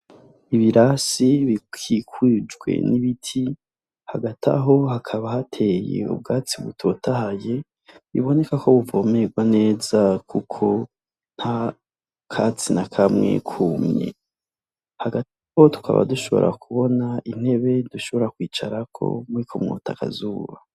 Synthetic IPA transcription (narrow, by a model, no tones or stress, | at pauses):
iβiɾasiβikʰikwid͡ʒɡwe̞̰niβitʰi | haɡatʰa̰ɦo̞hakʰaβahatʰe̞jḛṵb̚ɡaːt͡siβutʰo̞tʰahaje̞ | βḭβo̞ne̞kako̞βuvo̞me̞ɡwane̞ːzakukʰo̞ | n̥ha | kʰat͡sinakʰamŋe̞̰kʰuːmɲḛ | haɡataho̞tu̥kʰa̰βa̰duʃo̞βo̞̰ɾʔa̰kʰuβo̞naʔin̥he̞βe̞duʃo̞βo̞ɾakwiːt͡ʃaɾakʰo̞̰muɾikʰomŋo̰ːtʰaka̰zuːβa